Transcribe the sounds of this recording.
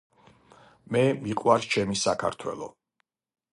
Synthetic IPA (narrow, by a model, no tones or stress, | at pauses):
mɛmiqʼwaɾt͡ʃʰɛmisakʰa̰ɾt̪ʰwɛ̰lˠɔ̰